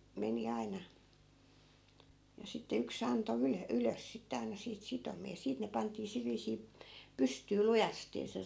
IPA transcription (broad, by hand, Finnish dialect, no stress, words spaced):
meni ɑinɑ jɑ sitːe yks ɑnto ylø yløs sitːe ɑinɑ siːt sitomiɑ jɑ siːt ne pɑntˑiː sil ʋiːsiː pystyː lujɑsteː se